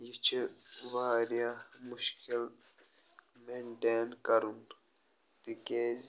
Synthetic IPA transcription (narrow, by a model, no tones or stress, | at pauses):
jit͡ʃʰeʋaːɾjamʊʃkil | meɳʈeːnkɐɾun | t̪ikeːz